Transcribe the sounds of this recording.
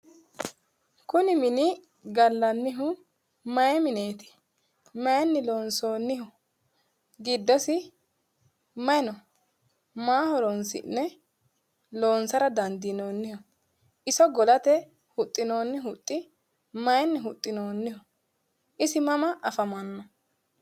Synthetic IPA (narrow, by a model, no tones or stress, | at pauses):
kʊnɪmɪnɪ | ɡɐlːɐnːɪɦʊ | mɐjɛmɪneːt̪ɪ̥ | mɐjɛnːɪlo̞ːnso̞ːnːɪhʊ | ɡɪd̪ːɔsɪ | mɐjɛnɔ | maːhɔɾɔnsɪ̰nːɛ | lo̞ːnsɐɾɐd̪ɐnd̪ɪno̞ːnːɪhɔ | ʔɪsɔɡɔlɐt̪ɛ | hʊt̪ʼːɪno̞ːnːɪɦʊt̪ʼːɪ | mɐjɛnːɪɦʊt̪ʼːɪnoːnːɪhʊ | ʔɪsɪmɐmɐʔɐfɐmɐnːɐ